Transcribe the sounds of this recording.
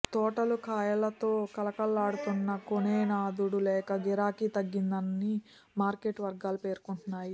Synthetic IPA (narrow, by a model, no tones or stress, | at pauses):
t̪ɔːʈɐlukaːjɐlɐt̪o̞ːkɐlɐkɐlːaːɽut̪unːɐkoneːnaːd̪uɽulɛːkɐɡiɾaːkit̪ɐɡːind̪ɐnːi | maːɾkeːʈːʋɐɾɡaːlupe̞ːɾkuɳʈunːaːji